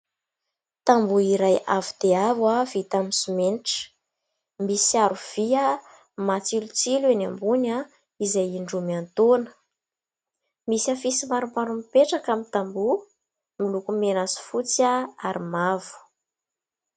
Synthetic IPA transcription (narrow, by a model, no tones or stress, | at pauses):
t̪ambuiɾajavud̪̥eavwav̥it̪amisumenʈ͡ʂə̥ | misiaɾuv̥ia | mat͡silut͡silenambuna | izajiɳɖ͡ʐumiant̪onə̥ | misafisimaɾumpaɾumipeʈ͡ʂakamit̪ambu | milukumenasi̥fut͡saaɾimavu̥